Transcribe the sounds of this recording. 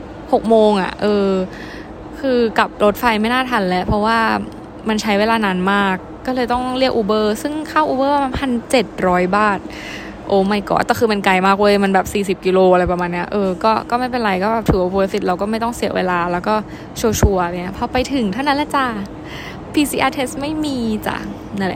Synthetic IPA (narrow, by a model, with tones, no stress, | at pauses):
ho˨˩k̚moː˧ŋʔa̰˨˩ʔɤː˧ | kʰɯː˧ka˨˩p̚lo˦˥t̪̚fa˧jma˥˩jnaː˥˩t̪ʰa˧nlɛ˦˥pʰɔ˧˦˥waː˥˩ | ma˧nt͡ɕʰa˦˥jweː˧laː˧naː˨˦˥nmaː˥˩kːɔː˥˩lɤː˧jt̪ɔ˥˩ŋɾi˥˩ək̚ʔuː˧bɤː˥˩sɯ˥˩ŋkʰaː˥˩wʔuː˧bɤː˥˩waː˧˩ma˧npʰa˧nt͡ɕe˨˩t̪̚ɾɔː˦˥jbaː˥˩t̪̚ | ʔoː˨˦˩ma˥˩jkɔ̰ː˨˩nt̪ɛː˨˩kʰɯː˧ma˧nka˧jmaː˥˩k̚wːma˧nbɛː˨˩p̚siː˨˩si˨˩p̚ki˧loː˧ʔa˧ɾa˧jpa˧maː˧nːi˦ɐʔɤː˧kɔː˥˩kɔː˥˩ma˥˩jpe˧nɾa˧jkɔː˥˩bɛː˨˩t̪ʰɯ˨˩˦o˧pʰo˧fi˧˦t̪̚ɾa˧wkɔː˥˩ma˥˩jt̪ɔ˥˩ŋsi˨˩˦wḛː˧laː˧lɛː˦˥wkɔː˥˩ | t͡ɕʰoː˧t͡ɕʰu˧ɐa˧ɾa˧˩ŋi˦˥pʰɔ˧˥pa˧jt̪ʰɯ˨˩˦ŋt̪ʰa˥˩wna˦˥nlɛ˧˥t͡ɕa˧˩ | pʰiː˧siː˧ʔaː˧t̪ʰe˦˥st̪̚ma˥˩jmiː˧t͡ɕa̰˨˩ | na˧˥˩lɛ̰˧˩